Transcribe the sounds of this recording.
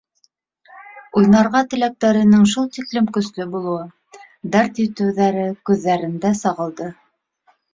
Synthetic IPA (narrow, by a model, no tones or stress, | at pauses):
ujnɑɾʁɑt̪ɘ̆læk̚t̪æɾɘ̆nɘŋʃ̬ulˠt̪iklɘmkɵ̆slɵbulˠɤ̆wɤ | d̪ɑɾt̪jɵ̆t̪ɘ̆wðæɾɘkʉðːæɾɘ̆nd̪æsɑʁɤ̆lˠd̪ɤ